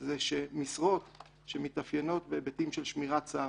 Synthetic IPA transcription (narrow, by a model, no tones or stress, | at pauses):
zeʃemisʁo̞t̪ | ʃemit̪afjeno̞t̪bebetimʃelʃmiʁat͡saː